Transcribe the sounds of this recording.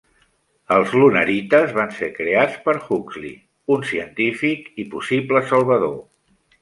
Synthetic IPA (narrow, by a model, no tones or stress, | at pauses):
əlˠzlunəɾit̪əzβansekɾeat͡spəɾxuklḭ | unsiənt̪ifikipusibləsəlˠβəðo